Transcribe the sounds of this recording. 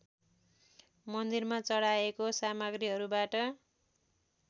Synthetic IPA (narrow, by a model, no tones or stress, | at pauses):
mʌnd̪irmat͡sʌɽaekosamʌɡriɦʌɾubaʈʌ